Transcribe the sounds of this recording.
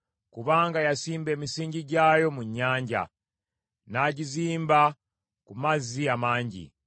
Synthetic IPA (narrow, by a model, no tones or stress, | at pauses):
kuβaːŋɡajasiːmbe̞ːmisiːɲɟiɟaːjo̞muɲːaːɲɟa̰ | naːɟiziːmba | kumaziamaːɲɟḭ